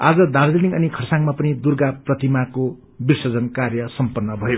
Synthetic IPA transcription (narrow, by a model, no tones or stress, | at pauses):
ad͡zʌd̪aɾd͡zenikʌnikʰʌrsaŋmapʌnid̪urɡaprʌt̪imako | birsʌd͡zʌnkarjʌsʌmpʌnːʌbʱʌe